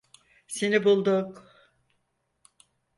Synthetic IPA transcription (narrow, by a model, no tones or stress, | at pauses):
senibulˠd̪uk